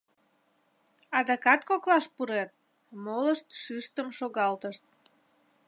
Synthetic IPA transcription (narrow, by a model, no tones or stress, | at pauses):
ɑd̪ɑkɑt̪koklɑʃpuɾet̪̚ | moləʃt̪ʃyʃt̪əmʃoɣɑlt̪əʃt̪̚